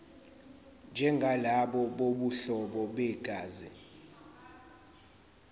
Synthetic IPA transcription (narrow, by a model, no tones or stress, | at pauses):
nd͡ʒʱɛŋɡʱalaɓɔɓoɓuɬɔɓɔɓɛɡ̥ʱaːzi